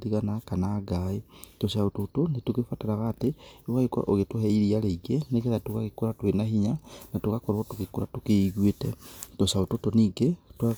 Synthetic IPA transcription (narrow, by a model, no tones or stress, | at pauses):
diɣanakanaɡaetosaototonetukefataɾaɣaːteewaeka̰ʔoɣetwohɛiɾialeiɡenekɛðatukaɣekoɾatwenaɦiɲanatokakɔɾotukekuɾatokeiɣwetɛtɔsaototoniɡetwa